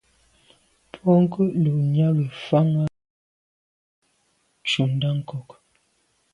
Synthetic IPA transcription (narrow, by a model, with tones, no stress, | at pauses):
pʰɔ˦ŋ˦kə˦ʔlo˨ɲa˦ɣi˨fa˦ŋa˦ | t͡ʃu˨n˦da˦ŋ˨kɔ˨k